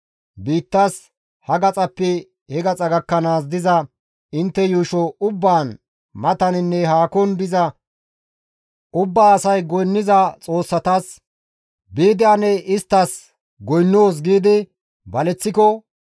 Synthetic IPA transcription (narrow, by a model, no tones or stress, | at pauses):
biːt̪ːas | hɐɡɐt͡sʼɐpːɛ | hɛɡɐt͡sʼɐɡɐkːɐnaːsd̪ɪzɐ | ɪnt̪ːɛjuːʃɔʊbːaːn | mɐt̪ɐnɪnːɛɦaːkɔnbɪzɐ | ʊbːaːsɐjɡɔjnːɪzɐt͡sʼo̞ːsːɐt̪ɐs | biːd̪ɪɐnɛʔɪst̪ːɐs | ɡɔjnːoːs̬ɡiːd̪ɪ | bɐlɛt͡sːɪkɔ